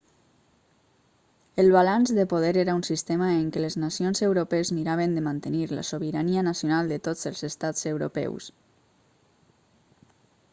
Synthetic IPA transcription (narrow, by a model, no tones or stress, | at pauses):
əlˠβalanzðəpoð̞ɛɾeɾəunsist̪eməeŋkeləznasionzewɾopezmiɾaβ̞ənd̪əmant̪əniɾla̰soβiɾaniənasjonalˠd̪ət̪od͡zəlˠzəst̪ad͡zəwɾo̰pɛ̰ws